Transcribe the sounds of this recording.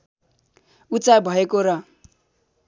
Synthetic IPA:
ut͡sabʱʌekoɾʌ

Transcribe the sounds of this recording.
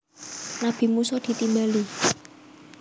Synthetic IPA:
nab̥i̤musɔd̪̥i̤t̪imbali

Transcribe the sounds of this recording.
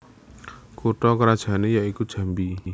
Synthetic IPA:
kuʈɔkəɾad̥ʒ̥a̤nejaikud̥ʒ̥ä̤mbi

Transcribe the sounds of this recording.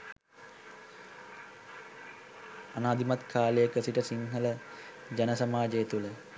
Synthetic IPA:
anaːd̪imat̪kʰaːləjəkəsiʈəsiŋɦələ | d͡ʒanəsamaːd͡ʒejet̪ulə

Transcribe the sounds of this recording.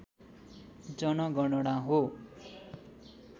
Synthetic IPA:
d͡zʌnʌɡʌɽʌɽ̃aɦo

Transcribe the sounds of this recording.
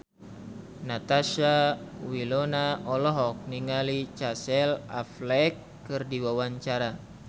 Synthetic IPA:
nat̪aʃawilɔnaɔlɔɦɔk̚niŋalit͡ʃasɛla̰flɛkː | ɨrdiwawaɲt͡ʃaɾa

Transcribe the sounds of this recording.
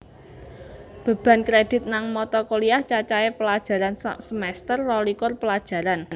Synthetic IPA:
b̥a̤b̥a̤nkɾed̥ɪ̤t̪̚naŋmɔt̪ɔkoliaht͡ʃat͡ʃaepəlad̥ʒ̥a̤ɾansəmɛst̪ərːɔlikʊrpəlad̥ʒ̥ä̤ɾann

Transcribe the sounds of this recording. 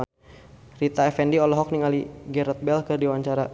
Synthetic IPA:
rit̪aɛfɛndiɔlɔɦɔk̚niŋaliɡɛɾɔt̪̚bɛlkɨrdiwaɲt͡ʃaɾa

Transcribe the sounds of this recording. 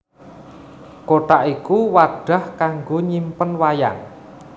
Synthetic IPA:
koʈ̪aʔikuwaɖ̥a̤hkaŋɡoɲimpənwaja̰ŋ

